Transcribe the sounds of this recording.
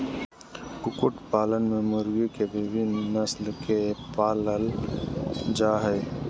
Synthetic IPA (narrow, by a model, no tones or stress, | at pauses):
kʊkʊʈpaːlənmẽməɾikebiʋinnəslkepaːləl | d͡ʒaːɦə